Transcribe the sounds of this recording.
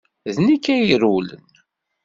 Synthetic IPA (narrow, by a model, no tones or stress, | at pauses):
ðnikːæjəɾulə̰n